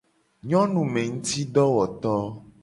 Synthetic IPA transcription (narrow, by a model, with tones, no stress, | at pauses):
ɲɔ̃˦nũ˨mẽ˨ŋũ˦t̪i˦ɖɔ˦wɔ˨t̪ɔ˦